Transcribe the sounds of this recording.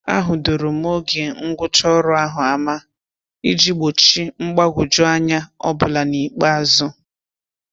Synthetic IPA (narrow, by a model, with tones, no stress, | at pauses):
a̰˦ɦʊ˨do˨ɾo˨m˦o˦ɡe˨ŋ̩˦ɡʷʊ˦t͡ʃɔ˦ɾʊ˦a˦ɦʊ˨a˨ma˦ | i˦d͡ʒi˦ɡ͡bo˨t͡ʃi˦ŋ͡m̩˦ɡ͡ba˦ɡʷʊ˨d͡ʒʊ˦a˦ɲa˦ɔ̰˦bʊ˨la˨ni˨k͡pa˦a˨zʊ˦